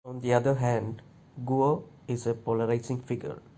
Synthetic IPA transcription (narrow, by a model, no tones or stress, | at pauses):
ɔ̃nd̪iad̪əɾɦɛ̃nɖ | ɡuo | izepɔləɾajsĩŋfiɡə̰ɹ